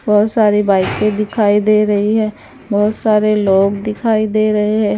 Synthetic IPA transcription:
bɔːt̪saːɾibaːiked̪ɪkʰaːid̪eːɾɐɦiɦɛ̃ː | bɔːt̪saːɾeloːɡd̪ɪkʰaːid̪eːɾɐɦeɦɛ̃ː

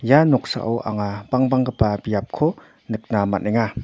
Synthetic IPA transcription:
janɔk̚sa̰ʔɔwʔa̰ŋab̥aŋbaŋkapabijap̚kʰɔ | nɯk̚nama̰nʔeŋa

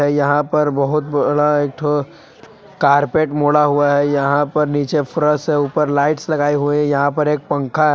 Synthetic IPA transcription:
ɛjɐɦãpɐɾbɐɦʊt̪bɐɽaeːk̚t̪ʰo | kaːɾpeːʈmoːɽaɦuaɦɛjɐɦãpɐɾniːt͡ʃefʊɾəseuːpəɾlaːɪʈslɐɡaːiɦuejɐɦãpɐɾeːk̚pɐ̃ŋkʰa

